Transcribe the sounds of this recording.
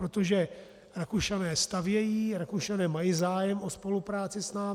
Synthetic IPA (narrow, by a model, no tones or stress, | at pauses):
ɾot̪oʒɛ | ɾakuʃanɛːst̪avjɛjiːɾakuʃanɛːmajiːzaːjɛmʔo̞spo̞lupɾaːt͡sɪsnaː